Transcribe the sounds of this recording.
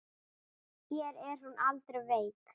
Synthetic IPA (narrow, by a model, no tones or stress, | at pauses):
çjɛɾɛɾ̥hunʔalt̪ɾʏveːjp